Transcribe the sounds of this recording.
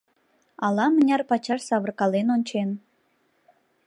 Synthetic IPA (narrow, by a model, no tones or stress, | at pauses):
ɑlɑmə̆nʲɑrpɑt͡ɕɑʃsɑβə̆rkɑlenonʲt͡ɕen